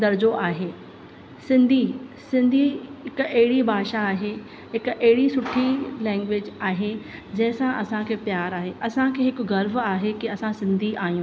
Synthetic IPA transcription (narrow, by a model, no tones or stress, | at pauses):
d̪ɐɾd͡ʑoʔaːɦeː | sɪ̃nd̪ʱisɪ̃nd̪ʱiɦɪkʊɐɦɪɽibʱaːʃaːɦe | ɦɪkʔɐɦɪɽisʊʈʰilɛ̃ːŋɡʋeːd͡ʑaːɦed͡ʑɐ̃ɦɪ̃sãʔɐsãkʰeːpjaːɾaːɦeʔɐsãkʰeːɦɪkʊɡɐɾbaːɦekiɐsãsɪ̃nd̪ʱiʔaːɦijũː